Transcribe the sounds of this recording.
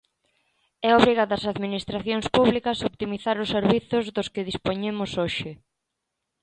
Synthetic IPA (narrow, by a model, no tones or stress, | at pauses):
ɛoβɾiɣaðɐsaðminist̪ɾaθjoŋspuβlikɐsopt̪imiθaɾʊsːeɾβiθʊzðʊskɪðispoɲemʊsoʃɪ